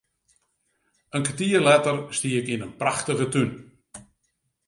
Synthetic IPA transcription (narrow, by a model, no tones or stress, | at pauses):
ənkətiərlɛtərstiəɪkinənpraxtəɣətyn